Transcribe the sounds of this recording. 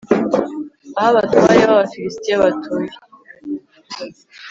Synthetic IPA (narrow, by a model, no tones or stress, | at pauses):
ahaβatʰohajeβaβafilistiaβatʰuji